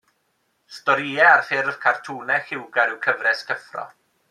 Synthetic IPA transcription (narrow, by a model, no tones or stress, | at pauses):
stɔɾiɛarfɪrv̥kʰartʰuːnɛxɪwɡaɾɪwkʰəvrɛskʰəfrɔ̰